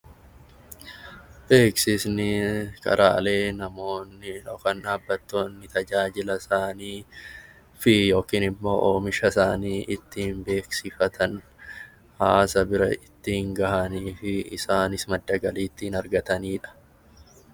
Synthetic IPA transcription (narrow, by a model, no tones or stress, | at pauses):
be̞ːksɪsnɪkʰʼɐ̰ɾʔa̰ːle̞ːnɐmo̞ːnːɪᶑɔkɐnᶑaːbːɐt̪ːo̞ːnːɪt̪ɐd͡ʒaːd͡ʒɪlɐsaːniː | fɪjo̞ːkiːnɪmːo̞̰ːʔoːmɪʃɐsaːniːʔɪt̪ːɪhɪmbe̞ːksɪfɐt̪ʰɐn | haːsɐbɪɾɐ̰ɪt̪ːɪhɪŋɡɐhɐniːfɪɪsaːnɪsmɐd̪ːɐɡɐliːt̪ːɪnɐɾɡɐt̪ɐniːᶑɐ̥